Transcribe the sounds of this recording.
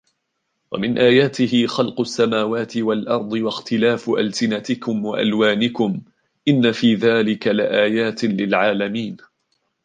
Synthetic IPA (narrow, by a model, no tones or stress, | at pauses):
wa̰mɪnʔaːjaːt̪ɪhɪxɑlqʊʔasːamaːwaːt̪ɪwalʔɑɾˤd̪ˤɨwaxt̪ɪlaːfʔa̰lsɪnat̪ɪkʊmwa̰ʔa̰lwaːnɪkʊm | ʔɪnːafiːðaːlɪkalɪʔaːjaːt̪ɪlɪlʕaːlamiːn